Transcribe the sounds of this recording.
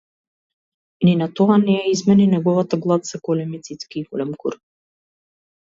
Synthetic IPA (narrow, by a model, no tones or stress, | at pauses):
ninat̪ɔanɛjaizmɛninɛɡɔvat̪aɡlˠat̪sɛɡɔlɛmit̪sit̪skiːɡɔlɛmkṵɾ